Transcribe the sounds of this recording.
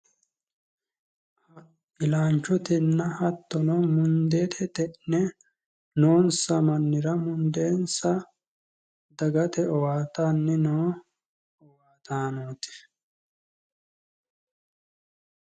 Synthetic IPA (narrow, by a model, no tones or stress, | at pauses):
ʔɪlaːnt͡ʃːʊt̪ɪnːɐhɐt̪ːɔnɔmʊnd̪eːt̪ʰɛt̪ɛnːɛ | noːnsɐmɐnːɪɾɐmʊnd̪e̞ːnsɐ | d̪ɐɡɐt̪ɛɔwaːt̪aːnːɪnoː | ɔwaːt̪aːnoːt̪ɪ̥